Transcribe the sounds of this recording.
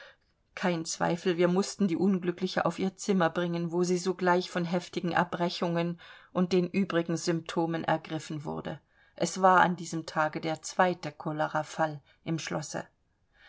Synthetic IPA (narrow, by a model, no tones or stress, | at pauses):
kʰaɪnt͡sv̥a̰ɪfl̩viːɐmʊstn̩diːʔʊnɡlʏklɪçəʔa̰ʊfʔiːɐt͡sɪmɐbʁɪŋənvoːziːzoːɡlaɪçfɔnɦɛftɪɡŋ̩ʔa̰ɐb̥ʁɛçʊŋənʔʊnt̚d̥eːnʔyːbʁɪɡŋ̩zʏmp̚tʰoːmənʔɛ̰ɐɡʁɪfn̩vʊ̰ɐdə | ʔɛsv̥aːɐʔa̰ndiːzəmtʰaːɡədeːɐt͡sv̥aɪtəkʰɔləʁafal | ʔɪmʃlɔ̰sə̰